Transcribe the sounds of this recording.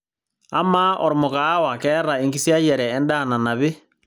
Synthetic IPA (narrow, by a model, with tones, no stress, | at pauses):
a˦ma˦ʔɔ˨ɾo˨mo˨kaː˦wa˨kɛː˦ɾa˨e˨ŋɡi˦sja˦jɛ˨ɾɛː˨˦nda˦˨na˨na˨βe˦